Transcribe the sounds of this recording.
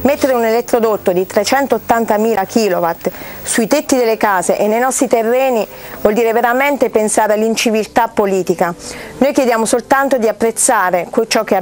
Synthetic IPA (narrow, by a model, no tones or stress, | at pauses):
met̪ːeɾeunelet̪ːɾod̪ot̪ːod̪it̪ɾet͡ʃɛnt̪oːt̪ːant̪amiːlakʰiːlovat̪ | suit̪et̪ːid̪elːekaːzeʔenːejnɔst̪ɾit̪erːɛːnivɔld̪iːɾeveɾament̪epensaːɾealːint͡ʃivilt̪apːoliːt̪ikanojkjed̪jaːmosolt̪ant̪od̪iapːɾet̪sːaːɾekt͡ʃɔk̟ːe